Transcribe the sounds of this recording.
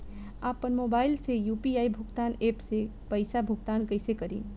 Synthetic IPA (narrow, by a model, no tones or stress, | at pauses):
apənmobaɪlsejupiaibʱʊɡt̪anepsepəɪsabʱuɡt̪ankəɪsekəɾḭn